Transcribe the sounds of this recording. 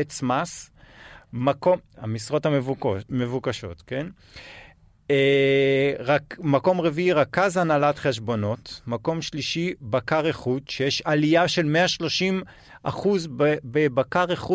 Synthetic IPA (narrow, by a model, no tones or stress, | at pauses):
et͡smas | makoma̰misʁo̞thamevukaʃo̞̰t̪ke̞n | ʁamako̞mʁeviiʁakazanalatχe̞ʃ̬bo̞no̞tmako̞mʃliʃibakaʁeχut̪ʃejeʃalijaʃe̞lmeaʃlo̞ʃim | ʔa̰χuzbbebakaʁeχu